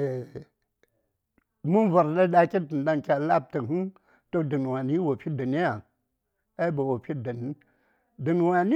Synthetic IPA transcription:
mu˦nva˨ɾda˦ɗa˦kʲi˦tɨ˨n˨da˦ŋkʲa˨la˦p̚tə˨hɨ˦n | to˦dɨ˨n˨wa˨ni˦wo˨pi˦də˨ni˦ja˨ | a˦i˦ba˨wo˨pi˦də˨n˦ | dɨ˨nwa˨ni˦

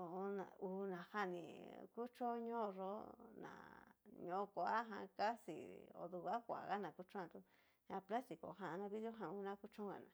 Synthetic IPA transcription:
o˨o˧nã̰˨u˧˨nã˨ha˦˨nĩ˨ku˦t͡ʃo˦ɲõ˦˧ʐo˦nã̰˨ɲõ˧˦˧ko˧˨a˦ɦã̰˧ka˦sḭ˨o̰˧˨d̪u˧a˦kʷa̰˨˧ɣa˦nã˨ku˧˦t͡ʃõ˦ã˧t̪u˧ | ɲã˧pla˦st̪i˨ko̰˨ɦã˧nã˧βi˦ðjo˦ɦã˧u˧nã˦ku˦t͡ʃõ˦ŋɡa̰˨nã˨

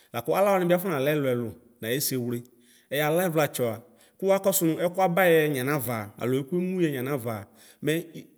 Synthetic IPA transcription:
la˨kɔ˦a˦la˦wɔ˨˦nɪ̃˨˦bi˦a˦fʊ˦ã˨lɛ˦lʊ˨ɛ˨lʊ˨ | nã˨e˦se˨wle˦ | ɛ˨ja˨la˦ɛ˦vla˨t͡ʃɔ˨a˨ | kʊ˦wa˦kɔ˦sʊ˦nʊ̃˦ɛ˦kʊ˦a˦ba˦jɛ˦ɲã˨nã˦va˨a̰˨lʊ˨e˦ku˦e˦mũ˦ɛ˨ɲã˨nã˦va˨ | mɛ˦

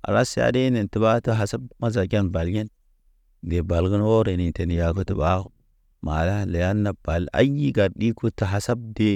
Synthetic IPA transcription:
a̰˨ɾa˦sa̰˨˦de˦ne˨nti˨ba˦to˦ɦa˨sa˦bma˦za˨ɡʲa˦nba˨lɡe˦n | de˨ba˨lɡə˦nwo˦ɾe˨ni˨te˨n˨ja˨ko˦tu˨ba˦ | ma̰˨la˦le˨ja˦nːa˨b̥a˨la̰˦ji˦ɡa˨ɾɗi˦ku˦to˨ɦa˨sa˦b̚de˦

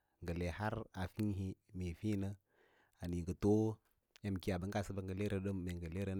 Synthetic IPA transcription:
ŋɡə˨le˨ha˦ɾa˨fi˦ɦi˦me˨fi˦nə˦ | a˨ni˨ɡə˨to˦ | ja˦m˨ki˦a˨bə˦ŋɡa˦˨sə˦bə˦˨ŋɡə˨le˦ɾə˦ɗə˦mː˨e˨ŋɡə˨le˦ɾə˦

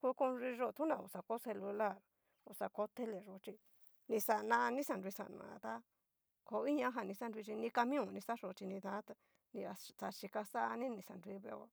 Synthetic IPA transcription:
ku˦ko˧nɾi˧ʐo˦˧˨t̪ʰũ˦nã˨˧˨u˧˨sa˨ko˦se˧lu˧la˦˨ɾ | u˧sa˧ko˦t̪e˦le˨ʐo˧˨t͡ʃi˧ | nĩ˧sa˧nã˧nĩ˦sa˧˨nɾi˧sa̰˨nã̰˨˧t̪a˦ | ko˧˦i˦ɲã˦ɦa˧˨nĩ˧sa˦ndʷi˧t͡ʃi˧nĩ˧ka˧mĩ˦ũ˨˧˨nĩ˧sa˦ʂo˧˨˧t͡ʃi˧nĩ˧t̪ã˧˦t̪a˧ | nĩ˧a˧t̪a˧ʃi˧ka˧sa˦˧nĩ˦nĩ˧˨sa˨nɾʷi˧˦βe˧˦a˧

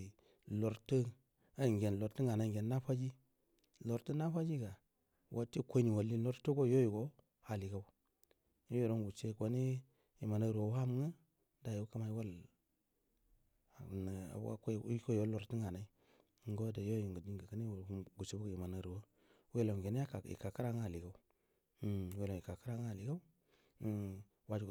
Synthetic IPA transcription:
lo˨ɾtə˦ | a˦˨ŋɡe˨n˨lo˨ɾti˦ŋa˨na˦ŋɡe˨nːa˦fa˦d͡ʒi˦ | lo˨ɾtə˦na˦fa˦d͡ʒi˦ɡa˨ | wʔo˦ti˦˨kʷo˦ni˨wo˨lːi˦lo˦ɾtu˦ɡo˦jo˦ji˨ɡo˦ | ha˨li˨ka˦ | jo˦i˨ɾo˦nɡu˨t͡ʃe˦˨kʷo˨ni˦ | ji˨ma˨na˦ɾwo˨˦a˦m˦ŋa˦ | da˨jo˨˦ka˦ma˦i˦wa˦l | n˨a̰˨b̰a̰˦kko˦˨o˦lo˨ɾti˦ŋa˨na˨i˦ | ɡo˦da˨jo˦ji˨ŋɡu˨di˦ŋɡa˨ka˦ni˦˨˦ɡu˨t͡ʃe˦bu˦ɡi˨ma˨na˨ɾu˨wo˦ | we˦lo˨m˨ɡe˨na˦a˦a˨ḭ˨ka˨ka˦ɾa˦ŋ˦a˨li˨ɡa˦u˦˨ | we˦lo˨i˨ka˨ka˦ɾa˦ŋ˦˨li˨ɡa˦w | wa˦d͡ʒ

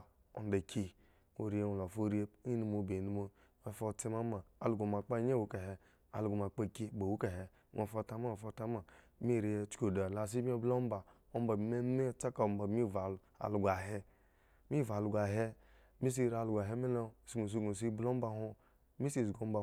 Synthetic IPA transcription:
o̰˨n˦da˨kʰi˦ | o˨ɾi˨˦e˦˨wlo˨fo˦ɾi˦e˦i˦nu˦mo˨be˨nu˦mo˦ | e˨fo˦ti˦ma˦maː˨lu˨ɡo˨m˨a˨k͡pa˦ɲ˦e˦wu˨˦ka˨he˨ | a̰˨lu˨ɡo˨m˨a˨k͡pa˦˨ki˦˨ba˨wu˦ka˨ɦe˨ | ŋʔe˨fo˦ta˨˦ma˦o˨fo˦ta˦ma˨ | mi˦˨ɾi˦e˦t͡ʃko˨da˨la˨s̬i˦e˦blo˦m˦ba˨ | o˦m˦ba˨bme˦e˦t͡sa˦ka˨m˨ba˨bmi˦va˨ | a̰˨lu˨ɡʷa˨ɦe˦ | mi˦˨va˨lu˨ɡʷa˨ɦe˦ | mi˦s̬i˦˨ɾa˨lu˨ɡʷa˨ɦe˦me˦lo˦˨si˦ɡo˨s̬i˦ɡo˨s̬i˦blo˦m˦ba˦˨ho˦ | mi˦si˦˨zɡo˨˦m˦ba˨

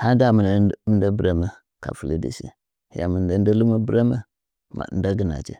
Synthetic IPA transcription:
ha˦da˦˨mə˨n˦m˦da˦bɾa˨mə˦ | ka̰˨fu˨lḭ˦dḭ˨sḭ˦˨ | ja̰˨mə˨n˨da˨˦n˦da˦lu˦ma˦bɾa˦mə˦ | ma̰˨n˦da˦ɡə˨na̰˨t͡ʃḭ˦

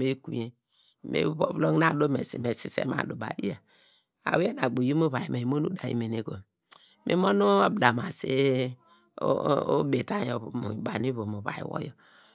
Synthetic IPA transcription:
me˦ku˨e˦ | mḛ˦βo˦βlo˦ŋna˨do˦me˨si˨me˨si˨sḛ˦ma̰˨du˨ba̰˨jḭ˦ja˨ | a̰˨we˦na˨ɡ͡bo˨ji˦mo˦βa˨ji˨me˨i˨mo˦nu˦da˨jḭ˨me˨ne˨ko˨ | mʔḭ˦mo˦nu˦a˦bda˨ma˨si˦ | be˨ta˦˨jo˨βu˨m˨ba˨ni˦βo˨mu˨βa̰˨ḭ˨wo̰˦jo˨

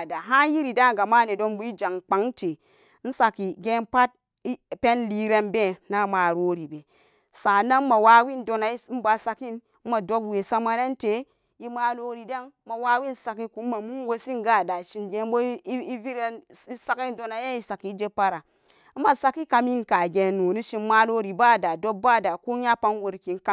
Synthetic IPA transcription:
a˨da˨ɦa˦ji˦ɾi˨da˦ŋ˨ɡa˨ma˦˨ne˨do˦nbu˦i˦d͡ʒa˨ŋk͡pa˨˦ŋte˨˦ | n̩˦sa˨ki˨ɡe˦npa˦t̚ | i˦pe˦nli˦ɾe˦nbe˦na˦ma˨ɾo˦ɾi˨be˨ | sa˨na˦m˦ma˨wa˨˦wi˦ndo˨na˨i˦m̩˦ba˨sa˧ki˦n̩˦ | ma˨do˦kwe˨sa˦ma˦ne˦nte˨˦ | i˦ma˦lo˦ɾi˨da˦n˦ma˨wa˦wi˦nsa˨ki˦ku˨˦mːa˨mu˦n˦wo˦si˦ŋɡa˦˨da˨ʃi˨nɡe˨˦bo˦i˦i˦vi˦ɾe˦n˦ | sa˦ki˦n˦do˨na˨je˦i˦sa˨ki˨˦d͡ʒe˦pa˦ɾa˨˦ | ma˨sa˦ki˦ka˨mi˦n˨ka˨ɡe˨no˨ni˦ʃi˨n˦ma˦lo˦ɾi˨ba˦˨da˨do˦bba˦˨da˨ko˦ɲa˦pa˦nwo˨ɾki˨nka˦

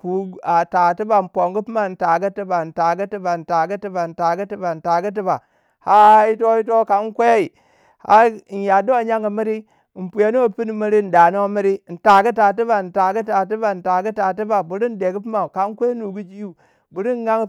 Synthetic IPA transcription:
ku˨a˨ta˨ti˦ba˨n̩˨po˨ŋɡu˦pi˦ma˨n̩˨ta˨ɡə˦ti˦ba˨n̩˨ta˨ɡə˦ti˦ba˨n̩˨ta˨ɡə˦ti˦ba˨n̩˨ta˨ɡə˦ti˦ba˨n̩˨ta˨ɡə˦t̬i˦ba˨ | ha˦i˦to˦i˦t̬o˦ka˨n˦kʷe˦i˨ | ha˦˨n˨ja˨do˦a˨ɲa˦ŋɡə˨mi˦ɾi˦˨ | m̩˨pu˨ja˦nu˦a˦pi˦ni˨mi˦ɾi˦n̩˨da˨no˦mi˦ɾi˦n̩˨ta˨ɡə˦ta˨t̬i˦ba˨n̩˨ta˨ɡi˦ta˨t̬i˦ba˨n̩˨ta˨ɡə˦ta˨t̬i˦ba˨bu˨ɾi˦n˦de˨ɡi˦p̬i˦ma˨ka˨˦kʷe˦nu˨ɡu˦d͡ʒi˦ju˦ | bu˨ɾi˦n˦ɡa˦ŋ˨

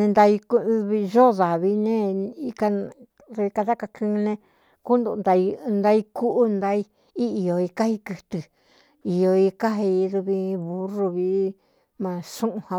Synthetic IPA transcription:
nẽ˧nd̪a˧i˧kβi˧ʒo˦ða˨βi˧nẽ˦i˧ka˧ | ðu˧βi˧ka˧ða˦ka˧kʰɨ̃˦˧nẽ˧ | ku˦nd̪o˧nd̪a˧i˧nd̪a˧i˧ku˦ʔu˦nd̪a˧˦i˧ | i˦i˨jo˨i˧ka˦hi˧kɨ˧t̪ɨ˧˨ | i˨jo˧i˧ka˦ɦi˧i˧ðu˧βi˧βu˧ru˧βi˧˦ | mã˧ʂũ˦ʔũ˧ha˧

